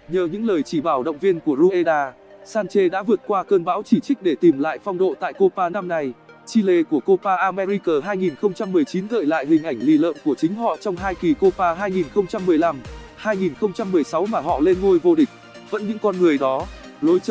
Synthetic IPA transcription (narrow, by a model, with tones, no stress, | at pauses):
ɲəː˨˩ɲɨ̰˧˥ŋləː˨˩jt͡ɕi˧˩ɓaː˧˩wɗə̰˧˨wŋ͡mvi˧ənku˧˩əzu˧ʔe˧ɗaː˧ | saː˧nt͡ɕe˧ɗa̰ː˧˥vɨ˨˩ət̚kwaː˧kəː˧nɓaː˧˥wt͡ɕi˧˩t͡ɕï˦˥k̟̚ɗe˧˩t̪i˨˩mla̰ː˧˨jfɔ˧wŋ͡mɗo̰˧˨t̪a̰ː˧˨jko˧paː˧na˧mna˧jt͡ɕi˧le˧ku˧˩əko˧paː˧ʔaː˧mɛ˧ɾi˧kəː˨˩ɦaː˧jŋi˨˩nxə˧wŋ͡mt͡ɕa˧mːɨ˨˩əjt͡ɕi˨˦nzə̰ː˧˨jla̰ː˧˨jɦï˨˩ŋ̟ʔa˧˩jŋ̟lḭ˧˩lə̰ː˧˨mku˧˩ət͡ɕï˨˦ŋ̟ɦɔ̰˧˨t͡ɕɔ˧wŋ͡mɦaː˧jki˨˩ko˧paː˧ɦaː˧jŋi˨˩nxə˧wŋ͡mt͡ɕa˧mːɨ˨˩əjla˧m | haː˧jŋi˨˩nxə˧wŋ͡mt͡ɕa˧mːɨ˨˩əjsa˨˦wmaː˨˩ɦɔ̰˧˨le˧nŋo˧jvo˧ɗï˨˩k̟̚ | və̰˧˥nɲɨ̰˧˥ŋkɔ˧nŋɨ˨˩əjɗɔ˨˦ | lo˨˦jt͡ɕ